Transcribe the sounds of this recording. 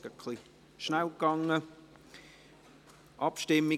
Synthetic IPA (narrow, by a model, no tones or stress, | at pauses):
əkʰli | ʃnælkɑŋə | ʔɑpʃtɪmɪ